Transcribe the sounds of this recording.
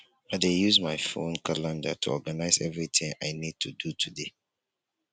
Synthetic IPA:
adejuzmaɪfõ̰nkalãndatʰuɔɡanaɪzɛvɹit̪ɪ̃ŋaɪnid̚tʰudutʰude

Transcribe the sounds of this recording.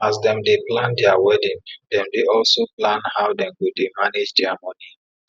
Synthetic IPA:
asdɛ̃mdeplãndɛawɛdĩndɛ̃mdeɔlsoplãnhawdɛ̃mɡudemaned͡ʒdɛamɔni

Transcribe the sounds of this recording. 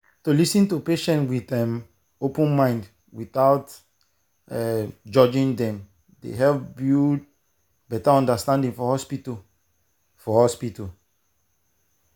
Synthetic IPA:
tulisĩntupeʃɛ̃ntwiθɛm | opə̃nmãɪ̃nd | wiθaʊt | ɛd͡ʒɔd͡ʒĩndɛ̃m | dḛɦɛbju | bɛtaɔ̃ndastãndĩŋfɔhɔspito | fɔhɔspital

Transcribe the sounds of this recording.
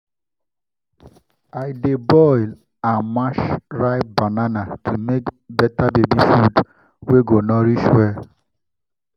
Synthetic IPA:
aɪdebɔɪl | anmaʃɾaɪbananatʰumekbɛtabebifud | weɡonɔɾiʃwɛ

